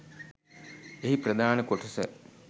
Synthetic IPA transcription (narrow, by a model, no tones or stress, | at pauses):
eɦiprɐd̪ʱaːnɐkoʈːɐsɐ